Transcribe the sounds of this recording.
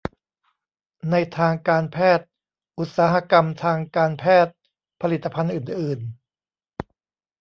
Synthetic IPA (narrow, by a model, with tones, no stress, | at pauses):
na˧jt̪ʰaː˧ŋkaː˧npʰɛː˥˩t̪̚ | ʔu˨˩t̪̚saː˩˦ɦa˧ka˧mt̪ʰaː˧ŋkaː˧npʰɛː˥˩t̪̚ | pʰa˧li˨˩t̪ːa˧pʰa˧nʔɯː˨˩nʔɯː˨˩n